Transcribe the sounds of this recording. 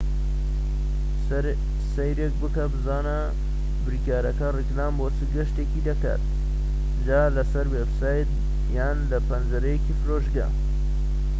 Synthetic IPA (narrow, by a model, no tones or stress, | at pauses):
sɐjɾek̚bɨkɐbɨzaːnɐ | bɨɾikaːɾɐkɐriklaːmbot͡sʰɨɡɐʃt̪eːkid̪ɐka̰t̪̚ | ʒaːlɐsɐɾwebsaːjt̪ | jaːnlɐpɐnzɐɾɐjekifɨɾoːʒɡɐ̰